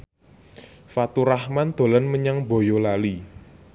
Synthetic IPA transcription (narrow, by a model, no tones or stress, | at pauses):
fat̪uɾahmand̪̥o̤lənməɲaŋbo̤jolali